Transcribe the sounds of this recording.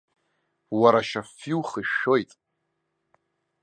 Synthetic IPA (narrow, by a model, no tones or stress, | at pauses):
waɾaʃafiwχiʃo̞jtʼ